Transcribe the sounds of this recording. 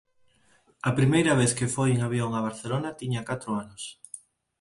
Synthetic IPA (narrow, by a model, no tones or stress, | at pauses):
ɐpɾimejɾɐβeθkefojeŋaβ̞joŋɐβ̞aɾθelonɐt̪iɲakat̪ɾʊanʊs